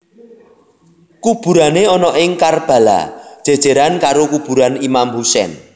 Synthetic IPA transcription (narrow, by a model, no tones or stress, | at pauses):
kub̥ṳɾaneɔnɔʔɪŋkarb̥a̤la̰d̥ʒ̥e̤d̥ʒ̥e̤ɾankaɾokub̥ṳɾanimamhusɛ̰n